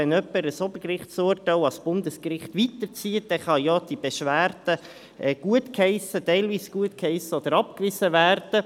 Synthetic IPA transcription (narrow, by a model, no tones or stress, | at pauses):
ɛnœpːəɾəsɔbəkrɪχtsʊːrtaɪɑsb̥ʊndəskɾɪχtʋitəɾt͡siːət̚d̥ɛːχɑjoːd̥ib̥ɛʃʋæːɾd̥ə | ɛɡ̥uətkhɛɪsətɛɪlviːsɡ̥uətkhɛɪsəɔd̥̪əɾɑp̚kʋɪsəvæːɾd̥ə